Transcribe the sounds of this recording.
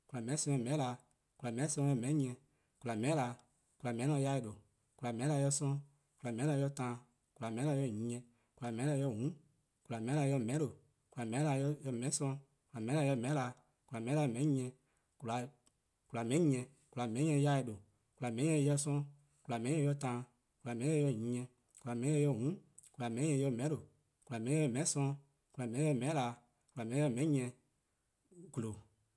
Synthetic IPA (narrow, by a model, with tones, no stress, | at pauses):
ku˨la˨mɛ̃˨˦sɔ̃˧˦ɔ̃˧˨mɛ̃˨˦la˧˨ | ku˨la˨mɛ̃˨˦sɔ̃˧jɔ˧˨mɛ̃˨˦ɲĩ˧ɛ̃˧˨ | ku˧la˨mɛ̃˨˦la˧˨ | ku˧la˨mɛ̃˨˦lã˧ja˧˦i˨do˨ | ku˨la˨mɛ̃˨˦la˧jɔ˧sɔ̃˧˦ | ku˧la˨mɛ̃˨˦la˧jɔ˧tãː˨˧˨ | ku˨la˨mɛ̃˨˦la˧jɔ˧˦˨ɲĩ˨˦ɛ̃˧ | ku˨la˨mɛ̃˨˦a˧jɔ˧˨ɦũ˨˦ | ku˨la˨mɛ̃˨˦la˧˦jɔ˧˨mɛ̃˨˦o˨ | ku˨la˨mɛ̃˨˦la˧˦jɔ˧jɔ˧mɛ̃˨˦sɔ̃˧ | ku˨la˨mɛ̃˨˦a˧˦jɔ˧˨mɛ̃˨˦la˨˧˨ | ku˨la˨mɛ̃˨˦a˧˨mɛ̃˨˦ɲĩ˧ɛ̃˧ | ku˨la˨ | ku˨la˨mɛ̃˨˦ĩ˦ɛ̃˧˨ | ku˨la˨mɛ̃˨˦ɛ̃˧˦ja˧˦e˧ɗo˨ | ku˨la˨mɛ̃˨˦ɛ̃˧jɛ˧sɔ̃˧˦ | ku˨la˨mɛ̃˨ĩ˦ɛ̃˧˦jɔ˧tãː˨˧˦ | ku˨la˨mɛ̃˨˦ɛ˧jɛ˧˨ɲĩ˨˦ɲɛ̃˧ | ku˨la˨mɛ̃˨ĩ˦ɛ˧˦jɛ˧˨ɦũ˨˦ | ku˨la˨mɛ̃˨˦ĩ˦ɲɛ̃˧˦jɛ˧mɛ̃˨˦o˨ | ku˨la˨mɛ̃˨˦ĩ˦ɛ˧˨mɛ̃˨ĩ˦sɔ̃˧ | ku˨la˨mɛ̃˨˦ĩ˦ɛ˧˦˨mɛ̃˨˦laː˨˦ | ku˨la˨mɛ̃˨ĩ˦ɔ˧˦mɛ̃˨˦ɛ̃˧ | ɡ̥u˨lo˨